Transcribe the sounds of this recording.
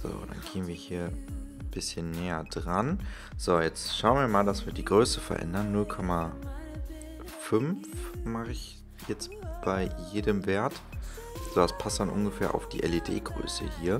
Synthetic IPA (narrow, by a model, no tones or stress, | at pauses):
z̥o̰ːd̥a̰nɡʰeːənviːɐhiːɐb̥ɪsçənːɛːɐdʁan | z̥oːjɛt͡stʃaʊənviːɐmaːldasv̥iːɐdiːɡʁøːsəfɛɐʔɛ̰ndɐnːʊlkʰɔma | fʏmfmaχɪç | jɛt͡sb̥aɪjeːdəmveːɐt | z̥oːdaspʰastd̥anʔʊ̰nɡəfeːɐʔa̰ʊfd̥iːʔɛledḛːɡʁø̰ːsə̰hiːɐ